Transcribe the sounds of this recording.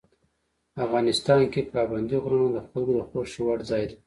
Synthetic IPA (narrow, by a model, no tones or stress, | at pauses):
afɣɑnɪst̪ɑnkepɾɑband̪iɣɾanod̪əxalɡod̪əxoʃiwaɽzɑjd̪a